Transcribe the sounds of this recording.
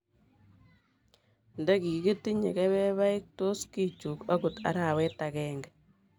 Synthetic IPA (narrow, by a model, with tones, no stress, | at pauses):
ndɛ˦ki˨˦ki˦ti˦ɲḛ˨kɛ˦βɛ˦βa˦i˦k̚to˦ski˦t͡ʃu˨ka˦ku˨ta̰˨˦ɾa˨wɛ˦ta˨kɛːŋɡɛ